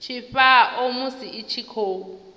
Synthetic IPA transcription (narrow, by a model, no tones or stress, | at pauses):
t͡ʃʰifaʔomusiit͡ʃʰikʰoːu